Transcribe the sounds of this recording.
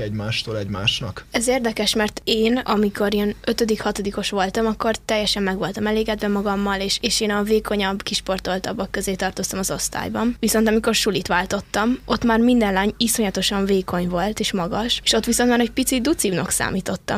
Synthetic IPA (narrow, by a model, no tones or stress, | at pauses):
ɛɟmaːʃt̪oːlɛɟmaːʃnɒkɛzeːrd̪ɛkɛʃmɛrt̪eːnɒ̰mikʰo̞ɾeːnø̞t̪ød̪ikhɒt̪o̞d̪iko̞ʃʋo̞lt̪ɒmɒkːo̞rt̪ɛjːɛʃɛmːɛɡʋo̞lt̪ɒmɛleːɡɛd̪vɛmɒɡɒmːɒleːʃeːʃeːnɒveːkʰo̞ɲɒbkiʃpo̞rt̪o̞lt̪ɒbːɒkːøzeːt̪ɒrt̪o̞st̪ɒmɒzo̞st̪a̰ːjbɒmviso̞nt̪ɒmiko̞rʃulit̪ʋaːlt̪o̞t̪ːɒmʔo̞t̪maːrmind̪ɛnlaːɲiso̞ɲɒt̪o̞ʃɒɱveːko̞ɲvo̞lt̪eːʃmɒɡɒʃeːʃo̞t̪ːʋisont̪maːɾɛɟ̚pit̪sid̪ut̪sibnɒksa̰ːmiːt̪o̞t̪ːɒ̰m